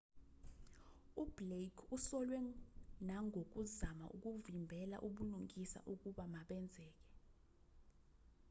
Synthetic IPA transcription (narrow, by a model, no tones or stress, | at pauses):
ub̥lekʰusɔlwɛnaŋʱok̬uzama̰ʔṵk̬uvimbʱɛla̰ʔuɓuluŋʱisa̰ʔuk̬uɓamaɓɛnd͡zʱɛːk̬ɛ̥